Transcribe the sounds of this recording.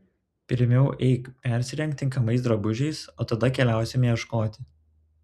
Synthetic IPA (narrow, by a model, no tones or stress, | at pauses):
pʲɪɾʲmʲɛʊʔɛɪkpʲæˑɾʲsʲɪɾʲɛŋkt̪ʲɪŋkɐmɐɪsd̪ɾɐbʊʒʲɛɪsoːt̪ɐd̪ɐkʲɛlʲæˑʊsʲɛmʲjɛʃkoːt̪ʲɪ